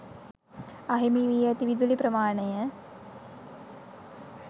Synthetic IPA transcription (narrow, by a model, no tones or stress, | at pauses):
aɦimiʋijɛt̪iʋid̪ulipɾəmaːɳəjə